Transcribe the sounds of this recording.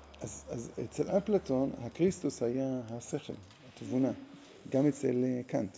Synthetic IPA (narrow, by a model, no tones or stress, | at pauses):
ʔazazḛt͡selʔaplato̞nhakʁistushajaɦaseχḛl | hatvuna | ɡamet͡selkʰant